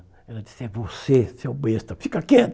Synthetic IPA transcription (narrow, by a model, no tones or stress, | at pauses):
ɛlɐd͡ʒi̥sɪɛvosesewbest̪ɐfikɐkẽt̪